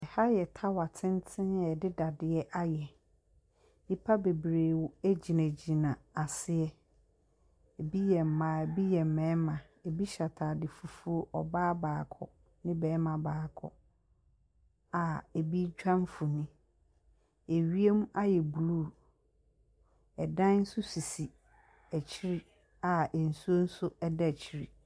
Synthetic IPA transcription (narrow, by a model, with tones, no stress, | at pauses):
ɛ˨ha˦jɛ˨tʰa˦wa˨tʰɪ̃˦n˦tʰɪ̃˦njɛ˨dɪ˦da˨dɪ˨ɛ˦ʔa˦jɛ˨ | i˦pʰa˦be˨bɾeː˨wʊ˦e˦d͡ʑi˨nã˨d͡ʑi˨nã˨a˨sɪ˦ɛ˦ | e˨bi˦jɛ˨m̩˨mãː˨bi˦jɛ˨m̩˨mɛ̃ː˨˦mã˨ | e˨bi˦ɕa˨tʰa˨dɪ˨fu˨fu˦o˦ʔɔ˨baː˦baː˨kʰɔ̰˨ | nɪ̃˦bɛː˨˦mã˨baː˨kʰɔ̰˨ | a˨e˨bi˦d͡ʑᶣã˦m˦fʊ˨nĩ˦ | e˨ɥi˦e˦m˦a˦jɛ˨bu˨luː˦˨ | ɛ˨dã˦n̩˦sʊ˦si˨si˨ | æ˨t͡ɕʰi˦ɾi˦ | a˨ɛ˨n̩˨su˦o˦n̩˦sʊ˦ɛ˦dɛ˦˨t͡ɕʰi˦ɾi˨